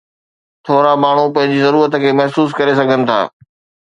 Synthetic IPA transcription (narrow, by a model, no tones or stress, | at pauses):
t̪ʰoːɾamaːɳ̤upɐ̃ɦɪ̃ɲd͡ʑizɐɾuːɾət̪ə̆kʰeːmɛɦsuːs̬kɐɾesɐɡʱənɪ̆t̪ʰa̰ː